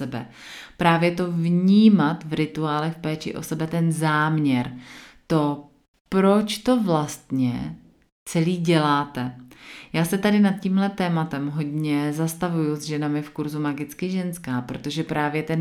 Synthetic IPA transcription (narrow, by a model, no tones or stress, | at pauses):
ɛbɛ̰ | pɾaːvjɛt̪o̞vɲiːmat̪vɾɪt̪uaːlɛxfpɛːt͡ʃɪ̰ʔo̞̰sɛbɛt̪ɛnzaːmɲɛɾt̪o̞ | pɾo̞t͡ʃt̪o̞vlast̪ɲɛ | t͡sɛliːɟɛlaːt̪ɛjaːsɛt̪adɪnat̪̚ciːmlɛt̪ɛːmat̪ɛmɦo̞dɲɛzast̪avujuzʒɛnamɪfkuɾzumaɡɪt͡skɪʒɛnskaːpɾo̞t̪o̞ʒɛpɾaːvjɛt̪ɛn